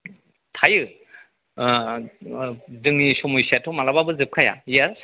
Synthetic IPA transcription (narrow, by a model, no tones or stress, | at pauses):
tʰajɯ | dɯŋnisɔmujsatʰɔmalababɯzɯp̚kʰaja̰jaɾ